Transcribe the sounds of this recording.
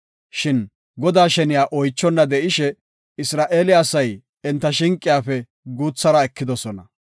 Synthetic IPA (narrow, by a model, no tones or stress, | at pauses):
ʃɪn | ɡɔd̪aːʃɛnɪjaːʔɔjt͡ʃːɔnːɐd̪ɛʔɪʃɛ | ɪsɾaːʔeːlɪɐsɐj | ɛnt̪ːɐʃɪŋkʼːɪjaːfɛ | ɡuːt͡sːɐɾɐɛkːɪd̪ɔsɔnɐ̰